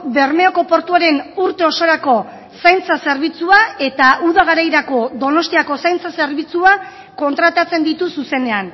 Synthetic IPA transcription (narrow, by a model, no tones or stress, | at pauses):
βe̞ɾme̞o̞ko̞po̞ɾt̪uaɾe̞nuɾt̪e̞o̞so̞ɾako̞ | sajnt͡sase̞ɾβ̞it͡suae̞t̪aʔuðaɣ̞aɾajɾako̞d̪o̞no̞st̪iako̞sajnt͡sase̞ɾβit͡sua | ko̞nt̪ɾat̪at͡se̞nd̪it̪ususe̞ne̞an